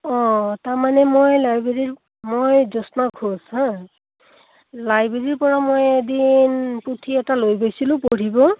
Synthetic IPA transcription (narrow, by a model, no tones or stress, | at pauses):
ɔ̃taɹmanɛmojlajbeɹiɹ | mojzɔsnaɡʰʱoshã | lajbeɹiɹpɔɹamojdinputʰiɛtalojbejsilʊ̃poɹibɔ